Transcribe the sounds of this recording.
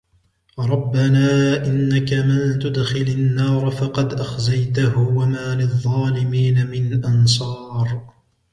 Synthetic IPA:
ɾˤɑbːanaːʔɪnːakamɪnt̪ʊd̪xɪlanːɑːɾˤfɑqɑd̪ʔaxzajt̪aɦwamaːlɪðˤːɑːlɪmiːnamɪnʔɑns̬ˤɑːɾˤ

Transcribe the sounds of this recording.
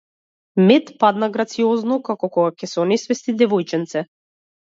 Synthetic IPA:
mɛt̪pad̪naɡɾat̪siɔznɔkakɔkɔɡakʲɛsɛɔnɛsvɛst̪id̪ɛvɔjt͡ʃɛnt̪sɛ

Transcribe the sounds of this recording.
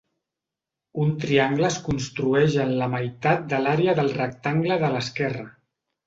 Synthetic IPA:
unt̪ɾiaŋɡləːskunst̪ɾuɛʒənləməjt̪at̪̚d̪əlaɾeəðəlˠrək̚t̪aŋɡləðələskɛrə

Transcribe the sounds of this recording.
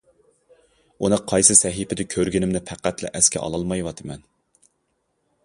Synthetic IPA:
unɨqʰɑjsɨsɛɦipʰɪd̪ɪkʲʰøɾɡʲɪnɪmnɪpʰæqːæt̪lɛ̰ʔɛskʲɛ̰ʔɑ̰lˠɑlˠmɑjwɑt̪ʰɨmɛn

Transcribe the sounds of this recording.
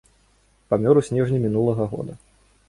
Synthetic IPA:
pamʲɔɾusʲnʲɛʐnʲimʲinulˠɐɣɐɣɔ̰d̪ɐ

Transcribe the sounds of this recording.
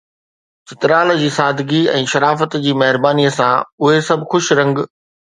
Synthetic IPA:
sɪt̪ɾaːl̆d͡ʑiːsaːd̪ʱɡiɛ̰̃ːʃɐɾaːfət̪d͡ʑiːmɐɦɪɾbaːniəsãʊɦesɐbʱxʊʃɾɐ̃ŋɡ

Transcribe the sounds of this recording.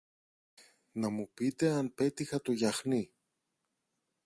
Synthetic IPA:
nɐmupit̪e̞ɐnpe̞t̪ixɐt̪o̞ʝɐxni

